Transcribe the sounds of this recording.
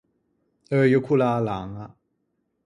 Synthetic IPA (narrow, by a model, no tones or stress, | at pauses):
əjokʰulalaŋa